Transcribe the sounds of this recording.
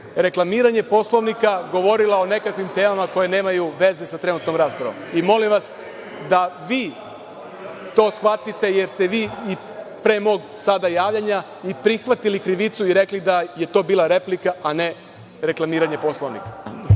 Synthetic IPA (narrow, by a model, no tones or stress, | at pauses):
ɾe̞klˠamiːɾaɲe̞po̞sloʋnikaɡo̞ʋo̞ɾilˠaone̞kakʋimt̪e̞ːmamako̞je̞ne̞ːmajuʋe̞ze̞sat̪ɾe̞nut̪no̞mɾaːspɾa̰ʋo̞̰mimo̞limʋas | d̪aʋiː | t̪o̞ːsxʋat̪it̪e̞je̞ɾst̪e̞ʋiːi | pɾe̞mo̞ːɡ | sad̪ajaːʋʎaɲa | ipɾixʋat̪ilikɾiʋit̪suiɾe̞klid̪aje̞t̪o̞ːbiːlˠaɾe̞plikaane̞ | ɾe̞klˠamiːɾaɲe̞po̞sloʋnḭka